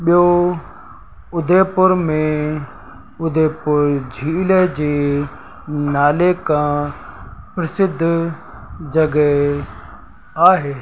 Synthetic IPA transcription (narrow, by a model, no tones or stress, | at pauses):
ɓɪjoː | ʊd̪ʱeːpʊɾmẽː | ʊd̪ʱeːpʊɾd͡ʒʱiːled͡ʒeː | naːleːkãː | pɾəsɪd̪ʱ | d͡ʒəɡɛ | aːɦeː